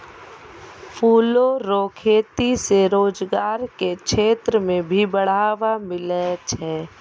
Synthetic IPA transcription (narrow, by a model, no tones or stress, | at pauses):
pʰuːloɾoːkʰeːt̪iseɾoːd͡ʒɡaːɾkekʃʰeːt̪ɾəmẽbʱibəɽ̤aːʋamɪlɛt͡ʃʰɛː